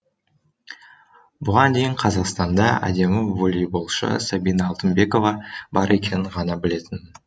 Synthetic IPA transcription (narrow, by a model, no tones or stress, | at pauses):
bʊʁɑnd̪e̞jɪɴqʰɑzɑqst̪ɑnd̪ɑæ̰d̪e̞mɪvolʲijbo̞lˠʃə̰sabijnɑːlˠt̪ənbe̞ko̞vɑbɑɾʔe̞kʲe̞nɪɴʁɑnɑbɪle̞t̪ɪn